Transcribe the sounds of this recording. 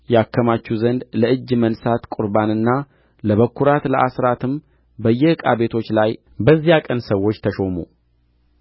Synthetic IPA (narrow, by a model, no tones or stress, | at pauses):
jɛakʰːəmat͡ʃːuzənd̪ləɨd͡ʒːmənsat̪kʼʊɾbanɨnːa | ləβəkːuɾat̪ləʔasɾat̪ʰɨm | bəjːɛhɨkʼa̰βe̞t̪ʰo̞t͡ʃːlaj | bəzːijakʼənsəwːo̞t͡ʃːt̪ʰəʃo̞mu